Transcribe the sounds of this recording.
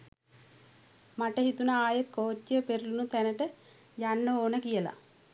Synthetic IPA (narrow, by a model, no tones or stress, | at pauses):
maʈəɦit̪unaaːjɐt̪koːt̪ːjəpeɾulunut̪ɛnəʈə | janːəoːnəkijəla̰